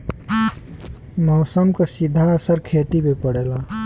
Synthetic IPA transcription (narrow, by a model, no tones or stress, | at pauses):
mɔːsəmkesid̪ʱːaəsəɾkʰet̪imepəɽela